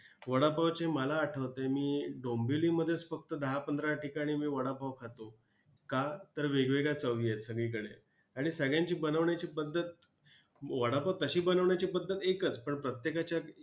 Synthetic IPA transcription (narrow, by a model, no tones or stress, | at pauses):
ʋəɽapaʋt͡ɕeməlaːʈʰəʋt̪emiːɖombiliːməd̪ʱːjet͡sfək̚t̪əd̪əɦapənd̪ʱɾaʈikaɽ̃imiːʋəɽapaʋkʰat̪o | kat̪əɾʋeɡʋeɡɭat͡səʋiːjet̪səɡɭiːk̬əɽḛ | aɽ̃isəɡɭjãɲt͡ɕiːbənəʋɳjat͡ɕiːpəd̪ʱːət̪̚ | ʋəɽapat̪əɕiːbənəʋɳjat͡ɕiːpəd̪ʱːət̪ekət͡spəɳpɾət̪jekat͡ɕja